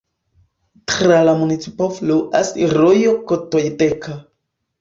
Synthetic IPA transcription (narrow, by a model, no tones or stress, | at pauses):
tɾalamunit͡si̥pofluʔasiɾojokot̪ojt̪ekʰa